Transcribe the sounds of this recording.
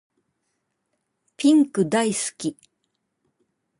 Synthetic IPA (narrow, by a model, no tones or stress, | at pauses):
pʲĩŋkɯ̟d̪aisɨ̥kʲi